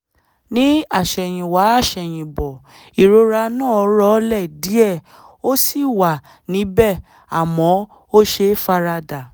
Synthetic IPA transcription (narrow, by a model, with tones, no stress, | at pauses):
nĩ˦a˦˨ʃɛ˨j̃ĩ˨wa˨˦a˦˨ʃɛ˨j̃ĩ˨bɔ˨ | i˨ɾo˧ɾa˧nãː˦˨ɔ˧˦ɾɔ˦lɛ˦˨di˨˦ɛ˦˨ | o˦si˦˨wa˨ | nĩ˨˦bɛ˦˨ | a˨mɔ̃˨˦ | o˦ʃe˧fa˧ɾa˧da˨